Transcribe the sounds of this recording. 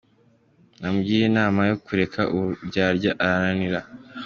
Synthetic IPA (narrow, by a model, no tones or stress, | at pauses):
namɡiːɾenaːmajokuɾe̞kʰaʔuɟaːɾɟaʔaɾaɾaniɾa